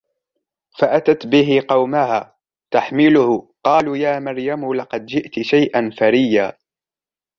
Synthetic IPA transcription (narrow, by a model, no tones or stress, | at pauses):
faʔat̪at̪bɪɦɪqɑwmahaː | t̪aħmɪlʊhʊqɑːluːjaːmaɾjamʊlɑqɑd̪d͡ʒɪʔt̪ʃajʔanfaɾɪjːaː